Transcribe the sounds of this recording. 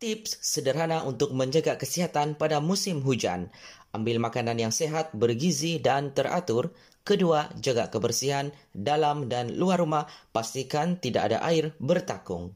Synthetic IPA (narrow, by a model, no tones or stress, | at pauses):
t̪ɪpsːədərɦanaʔunt̪ʊk̚məɲd͡ʒəɡakəsiɦat̪anpadamusɪmɦud͡ʒa̰nʔambɪlmakananjaŋseɦat̪̚bərɡizidant̪əra̰t̪ʊr | kəduad͡ʒəɡakəbərsiɦandalamdanluarːumahpast̪ikant̪ida̰ʔa̰da̰ʔaɪrbərt̪akʊ̰ŋ